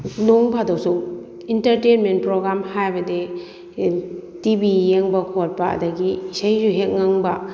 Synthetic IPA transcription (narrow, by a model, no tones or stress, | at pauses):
noŋbʰadowsu | intɐɾtenment̚pɾoɡɾamhajbɐde | tibijeŋbɐkʰot̚paa̰dɐɡiːsajzuɦet̚ŋaŋbɐ